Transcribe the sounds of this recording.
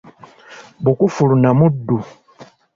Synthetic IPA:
bukufulunamudu

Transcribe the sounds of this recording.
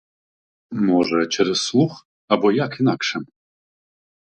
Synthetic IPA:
mɔʐɛt͡ʃʰɛɾɛswux | abɔjakʰinakʂɛm

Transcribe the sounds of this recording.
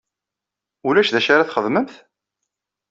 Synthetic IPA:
ulæʃðæʃaɾaθχəðməmθ

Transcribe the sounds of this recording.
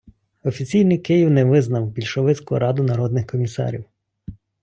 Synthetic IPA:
ɔfʲit͡sʲijnɪjkɪjiwnɛʋɪznɐwbʲilʲʃɔʋɪt͡sʲkʊ̰ɾɑd̪ʊnɐɾɔd̪nɪxkɔmʲisɑ̰ɾʲḭw

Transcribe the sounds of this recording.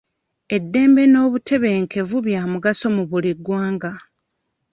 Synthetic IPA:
e̞dːe̞ːmbe̞no̞ːβutʰe̞βe̞ːŋkʰe̞vuβjaːmuɡaso̞muβuliɡwaːŋɡa

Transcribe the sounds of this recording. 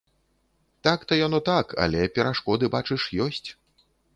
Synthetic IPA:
t̪akt̪ɐjanɔt̪akʰa̰lʲɛpʲɛɾaʂkɔd̪ɨbat͡ʂɨʂjɔsʲt͡sʲ

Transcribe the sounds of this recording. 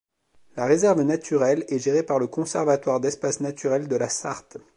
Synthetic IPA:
laʁezɛʁvnat̪ʰyʁɛlɛʒeʁepaʁləkɔ̃sɛʁvat̪waʁd̪ɛspasnat̪yʁɛld̪əlasa̰ʁt̪

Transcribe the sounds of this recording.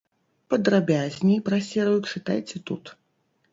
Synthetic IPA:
pɐd̪ɾabʲazʲnʲijpɾasʲɛɾɐjut͡ʂɨt̪a̰jt͡sʲɛt̪ut̪

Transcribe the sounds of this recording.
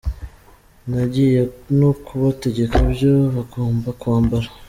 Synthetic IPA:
naɟijenokʰuβate̞ɟe̞kabjoβakoːmbakwaːmbaɾa

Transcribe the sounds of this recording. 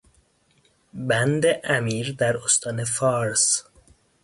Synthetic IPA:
bænd̪eʔæmiːɾd̪æɾost̪ʰɒːnefɑːɾs

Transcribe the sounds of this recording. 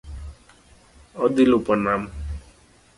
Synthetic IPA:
ʌd̪ilupʌnam

